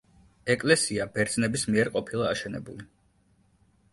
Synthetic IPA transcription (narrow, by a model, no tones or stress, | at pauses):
ɛkʼlɛsiabɛɾd̪znɛbismiɛɾqʼɔpʰilˠaaʃɛnɛ̰buli